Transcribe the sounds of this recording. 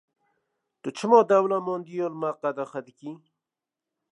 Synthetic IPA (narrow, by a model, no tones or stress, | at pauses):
t̪ot͡ʃəmod̪awlamond̪ijolmaqad̪axat̪iki